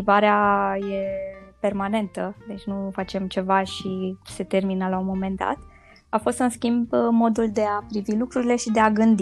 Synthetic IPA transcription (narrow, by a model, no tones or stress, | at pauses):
ivaɾeaje̞pe̞rmane̞nt̪əd̪e̞t͡ʃʲnufat͡ʃe̞mt͡ʃe̞vaʃise̞t̪e̞rminəlaumo̞me̞nd̪a̰t̪ | afo̞st̪ɨnskʲimbmo̞d̪uld̪e̞apɾivilukɾuɾile̞ʃid̪e̞aɡɨnd̪i